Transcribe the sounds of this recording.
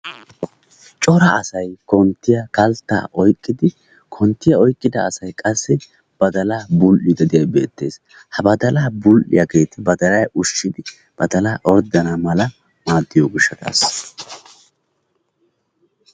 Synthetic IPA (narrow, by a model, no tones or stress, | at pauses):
t͡ʃʼɔɾɐʔɐsɐjkɔnt̪ːɪjɐkɐlt̪ːa̰ːʔɔjkʼːɪd̪ɪ | kʰɔnt̪ːɪjɐɔjkʼːɪd̪ɐːsɐjkʼɐsːɪ | b̥ɐd̪ɐlaːbʊlʔɪd̪ɐd̪ɪjɐjbe̞ːt̪ːe̞̰ːs | hɐbɐd̪ɐlaːbʊlʔɪ̰jɐɡe̞ːt̪ɪbɐd̪ɐlɐjʔʊʃːɪd̪ɪ | b̥ɐd̪ɐlaːʔɔɾd̪ɐnamɐlɐ | maːd̪ːɪjoːɡɪʃːɐt̪a̰ːs